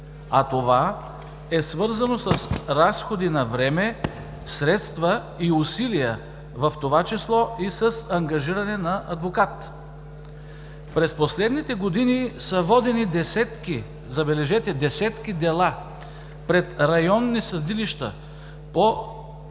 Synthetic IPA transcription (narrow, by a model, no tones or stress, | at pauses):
at̪ova | ɛsvɤɾzɐnosəsɾasxod̪inɐvɾɛmɛ | sɾɛt̪st̪və | iusilijə | vɐft̪ovat͡ʃislˠɔisəsɐŋɡɐʒiɾɐnɛnɐʔɐd̪vokat̪ | pɾɛsposlɛd̪nit̪ɛɡod̪inisɐvɔd̪ɛnid̪ɛsɛt̪ki | zɐbɛlɛʒɛt̪ɛd̪ɛsɛt̪kid̪ɛlˠa | pɾɛt̪ɾɐjɔnːisɐd̪iliʃt̪ə̰ | po